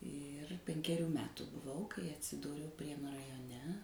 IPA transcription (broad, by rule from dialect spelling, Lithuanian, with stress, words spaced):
ɪr pʲɛŋʲkʲɛˈrʲuː ˈmʲæːtʊ bʊˈʋɐʊ kɐɪ ɐtʲsʲɪˈduːrʲɛʊ ˈpʲrʲiɛnʊ rɐjoːˈnʲɛ